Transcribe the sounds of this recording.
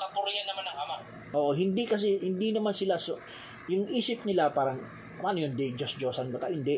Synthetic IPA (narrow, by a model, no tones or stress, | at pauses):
kɐpʊɾɪjanːɐmanɐŋʔɐmaʔ | ʔoːʔoɦɪnd̪ikɐs̬ɛhɪnd̪inɐmansɪlaso | jʊŋʔiːsɪp̚nɪlapaːɾɐŋ | ɐmanɐjond̪ɛd͡ʒɐsd͡ʒoːsɐnbɐkahɪnd̪ɛ